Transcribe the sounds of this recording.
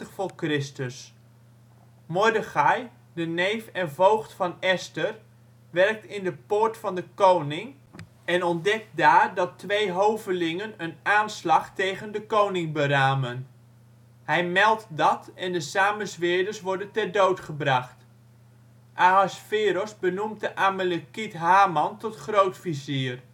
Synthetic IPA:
təχfʊːɹkrɪstəs | mɔɹdəχɑj | dənejfɛnvowχtfɑnɛstər | ʋɛrk̚tɪndəpʊːɹtfɑndəkownɪŋ | ɛnɔndɛk̚t̚daːrdɑtʋejɦowvəlɪŋənənaːnslɑχtejχəndəkownɪŋbəɾaːmən | hɛjmɛlˠtdɑtɛndəsaːməsʋɪːdəɹsʋɔɹdəntɛrdowtχəbrɑχt | ʔaasfɪːɾɔsbənuməʔamələkitɦaːmɑntɔtχrowtfiziːər

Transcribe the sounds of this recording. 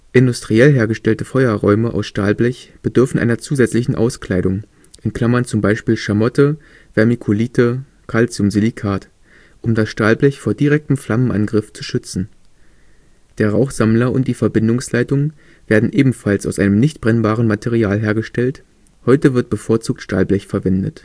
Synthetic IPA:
ʔɪndʊstʁ̥iɛlɦeːɐɡəʃtɛltəfɔʏɐʁɔʏməʔa̰ʊsʃtaːlblɛçb̥ədʏɐfn̩ʔa̰ɪnɐt͡suːzɛt͡slɪçn̩ʔa̰ʊskl̥aɪɾʊŋ | ʔɛntkʰl̥amɐnt͡sʊmbaɪʃpiːlʃamɔtə | v̥ɛɐmikʰoliːtə | kʰalt͡sjʊmzilikʰaːt | ʔʊmdasʃtaːlblɛçfoːɐdiʁ̞ɛk̚təm̩flamənʔa̰nɡʁɪft͡su̥ʃʏt͡sn̩ | d̥eːɐʁaʊxz̥amlɐʊ̰ntd̥iːfɛɐbɪndʊŋslaɪtʊŋ | v̥eːɐdn̩ʔeːbm̩falsaʊsʔa̰ɪnəmnɪçtb̥ʁɛnbaːʁ̞ənmatʰɛʁiaːlɦeːɐɡəʃtɛlt | hɔʏtəvɪɐt̚b̥əfoːɐt͡suːk̚tʃta̰ːlblɛçfɛɐvɛndə̰t

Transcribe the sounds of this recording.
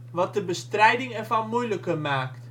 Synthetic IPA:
ʋɑt̚dəbəstrɛjdɪŋɛrvɑnmujləkəmaːkt

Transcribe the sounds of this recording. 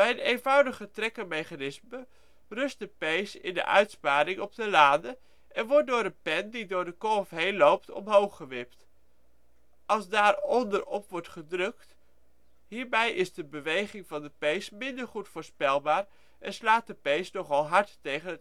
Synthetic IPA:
ɛjnejnvɑwdəχətrɛkəmejχanɪsmə | rɵst̚dəpejsɪ̰ndə̰ʔœ̰ɥtspaːɾɪŋɔb̚dəlaːdə | ʔɛnʋɔɹt̚dʊːɾənpɛndidʊːɹdəkoːfɦejnlowp̚tɔ̰mɦowχəʋɪpt | ɑlˠsdaːɹɔndəɹɔpʋɔɹtχədrɵk̚t | ɦiːɹbɛjʔɪzdəbəʋejχɪŋvɑndəpejsmɪndəɹχutfʊːɹspɛlˠbaːɹ | ʔɛnslaːt̚dəpejsnɔχɑlˠɦɑɹtːejχənə

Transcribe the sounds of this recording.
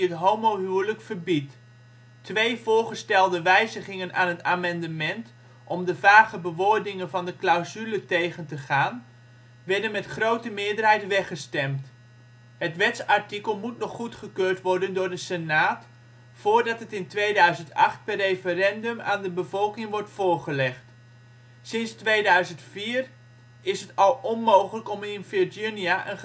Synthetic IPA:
ətɦowmowɦyləkfərbitː | ʋejvʊːɹχəstɛlˠdəʋɛjzəχɪŋəna̰ːnɦətaːmɑndəmɛnt | ʔɔmdəvaːχəbəʋʊːɹdɪŋənvɑndəklawzylətejχəntəχaːn | ʋɛɹdənmɛtχrowtəmɪːədərɦɛjtʋɛχəstɛmt | ɦətʋɛtsaɹtikəlˠmutnɔχːutχəkøːɹtʋɔɹdəndʊːrdəsənaːt | fʊːɹdɑtɦətɪntʋejdœɥzəntɑ̰χt̚pɛrːejfərɛndɵma̰ːndəbəvɔlˠkɪŋʋɔɹtfʊːɹχəlɛχt | sɪnstʋejdœɥzəntfiːr | ɪsɦətɑlˠɔnmowχələkɔmɪnfɪdiniaʔə̰n

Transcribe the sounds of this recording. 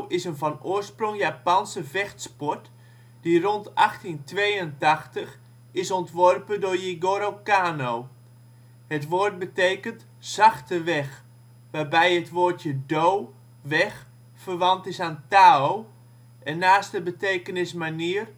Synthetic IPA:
ɪsənvɔnoərsprʊŋjaːpansəvɛxtspɔt | d̥irɔnta̰xtintʋejəntaxtəx | ɪsɔntʋɔrpədʊːrjiɡoɾokaːnow | hətʋoːrt̚bətejkənt | z̥axtəʋɛx | ʋaːbɛjətʋoːrjədow | ʋɛx | fərʋɑntɪsaːntaːow | ʔɛnːaːstəbəteːkənɪsmaniər

